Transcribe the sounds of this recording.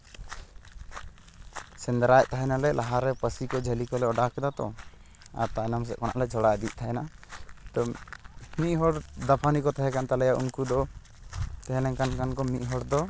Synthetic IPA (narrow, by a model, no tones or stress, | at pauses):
sɛnd̪ɾajt̪aɦɛnalɛlʔaɦaɾɛpəsikɔd͡ʒʱəlikɔlɛɔɖakɛd̪at̪ɔ̰ | a̰ɾt̪anams̬ɛʔkɔna̰ʔlɛd͡ʒʱɔɽad̪iʔ̚t̪ʰaɦɛnat̪ɔ | miʔ̚ɦɔɽd̪apʰanikɔt̪aɦɛ̃kant̪alɛjaʔṵnkud̪ɔ | t̪ɛɦɛlɛŋkankankɔmiʔ̚ˀɦɔɽd̪ɔ